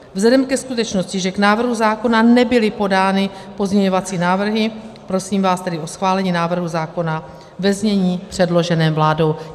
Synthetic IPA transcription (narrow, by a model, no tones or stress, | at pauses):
vzɛdɛmkɛskut̪ɛt͡ʃno̞scɪʒɛknaːvr̩ɦuzaːko̞nanɛbɪlɪpo̞daːnɪ | po̞zɲɛɲo̞vat͡siːnaːvr̩ɦɪpɾo̞siːmvaːst̪ɛdɪʔo̞sxvaːlɛɲiːnaːvr̩ɦuzaːko̞na | vɛzɲɛɲiːpr̝̥ɛdlo̞ʒɛnɛːvlaːdo̞w